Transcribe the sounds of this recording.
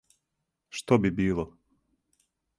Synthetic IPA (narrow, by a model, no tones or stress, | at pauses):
ʃt̪obibiːlˠɔ